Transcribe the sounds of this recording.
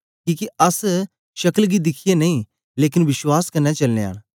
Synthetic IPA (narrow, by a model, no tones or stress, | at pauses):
kiːkeɐs | ʃɐkəlɡid̪ɪkʰɪjenɐĩ | leːkɪnʋɪswaːskɐnːɛt͡ʃɐlnea̰ːɽ̃